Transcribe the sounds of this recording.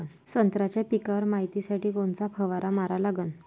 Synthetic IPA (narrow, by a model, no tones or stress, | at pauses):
n | sənt̪ɾat͡ɕjapikaʋəɾmaɦit̪isaʈiːkont͡sapʰəʋaɾʔamaɾalaɡən